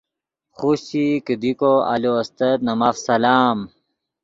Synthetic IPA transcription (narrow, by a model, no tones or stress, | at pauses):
xuɕikid̪ikoɐ̰loɐst̪ɐt̪̚nɐmafsɐlaːm